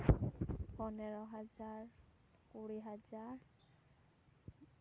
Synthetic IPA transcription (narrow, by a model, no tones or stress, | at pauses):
pɔnɛɹɔɦazaɹ | kuɹiɦazaɹ